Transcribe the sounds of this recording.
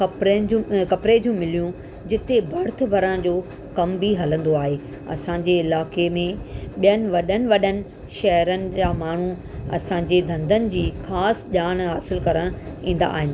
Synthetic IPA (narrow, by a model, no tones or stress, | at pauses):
kɐpɾed͡ʑukɐpɾed͡ʑũmɪlijũ | d͡ʑɪt̪ebʱɐɾt̪̆ʰbʱɐɾəɽ̃d͡ʑoː | kɐmbʱiɦɐlə̃nd̪oaːɦeː | ɐ̰sãːɲd͡ʑeɪlaːkemẽɓijənɪ̆ʋɐɗənɪ̆ʋɐɗənɪ̆ | ʃɐɦɾənɪ̆d͡ʑaːmaːɳ̤u | ɐ̰sãːɲd͡ʑed̪ʱɐ̃nd̪ʱənɪ̆d͡ʑiːxaːsʄaːñɦaːsɪlkɐɾəɽ̃ĩːn̆d̪a̰ːɦɪn